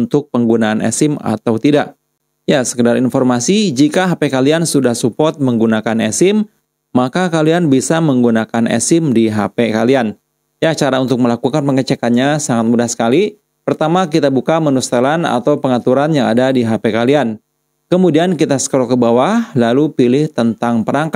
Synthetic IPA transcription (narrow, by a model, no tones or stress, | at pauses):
unt̪ʊk̚pəŋɡunaːnʔɛ̰sɪma̰t̪awt̪idaʔ | jasə̥kədaɾinfɔrmasid͡ʒikaɦapekaliansudahsupɔrt̪̚məŋɡunakanɛsɪmː | akakalianbisaməŋɡunakanɛ̰sɪmdiɦapekalian | jat͡ʃaɾaunt̪ʊk̚məlakukanpəŋət͡ʃɛkanɲasaŋat̪̚mudahsə̥kali | pərt̪amakit̪abukamənust̪əlana̰t̪awpəŋat̪uɾanjaŋadadiɦapekalian | kəmudiankit̪asə̥kəɾɔkəbawahlalupilɪht̪ənt̪aŋpəɾaŋka